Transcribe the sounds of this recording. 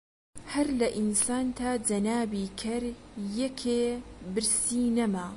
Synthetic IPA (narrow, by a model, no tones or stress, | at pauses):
hɐɾlɐʔinsaːnt̪ʰaːd͡ʒɐnaːbiːkʰɐɾjɛkʰeːbɨɾsiːnɐmaː